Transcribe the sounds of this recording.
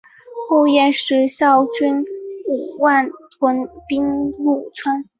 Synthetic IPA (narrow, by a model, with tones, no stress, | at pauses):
xu˥˧jɛ˥˧nʂɻ̩˧˥ɕjɑ˥˩ʊt͡ɕy˥nu˨˩wa˥˩n | kwə˧˥npi˥ŋlu˥˩t͡sʰwa˥n